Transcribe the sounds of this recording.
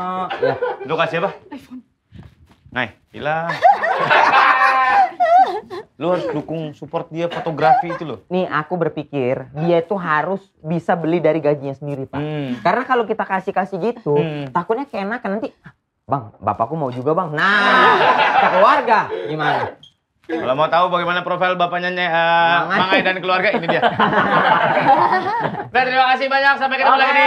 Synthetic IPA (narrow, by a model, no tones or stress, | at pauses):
jat̪ukasiapafn | ŋaɛ | ḭla | lohaɾʊsdukʊŋsupɔrt̪̚diafot̪oɡɾafiːt̪ulʊnɪhakubərpikɪrdiait̪uɦaɾʊs | bisabəlɪdaɾiɡad͡ʒiɲasəndiɾipa̰kaɾənakalok̬it̪akasɪkasɪhɡit̪ut̪akʊt̪̚ɲakenakːənant̪ia | baŋba̰pakumaud͡ʒuɡabaŋna | kəluarɡaɡimana | kalomaut̪aubaɡejmanapɾofajlbapaɲaɲaəaŋaaŋaidankəluarɡainiia | dat̪əɾimakas̬ɪbaɲak̚sampekitala